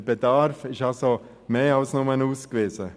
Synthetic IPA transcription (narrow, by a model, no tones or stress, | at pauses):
b̥edɑɾfɪʃɑso | meːɑlsnɔmənuːskveːsə